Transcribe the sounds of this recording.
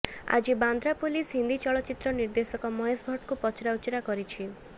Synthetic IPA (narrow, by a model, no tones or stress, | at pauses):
a̰d͡ʒiband̪ɾapulisɦind̪it͡ʃɔɭɔt͡ʃit̪ɾɔniɾd̪esɔkɔmɔɦesbʱɔʈkupɔt͡ʃʰɾaut͡ʃɔɾakɔɾit͡ʃʰi